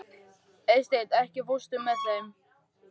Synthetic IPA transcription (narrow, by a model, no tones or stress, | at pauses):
ejst̪ejt̪ɛhcɪvust̪ʏmːɛðθejm